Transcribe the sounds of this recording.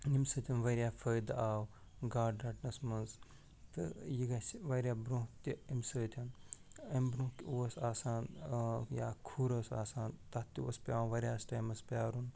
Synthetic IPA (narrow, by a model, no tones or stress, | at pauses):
nimsəːt̪ʰɐnʋɐɾʲjaːfʰəjd̪aːw | ɡaːɖaːʈnɐsmɐnz | t̪ɨjiɡɐsʋɐɾʲjaːbɾõt̪iimsəːt̪ʲʰɐnɐmbɾõːkuɐsaːsaːnja̰ːkʰuːɾɐːsa̰ːsaːnt̪ɐt̪ːiuɐspʲãːʋɐɾʲjaːsʈɐmɐspʲaːɾun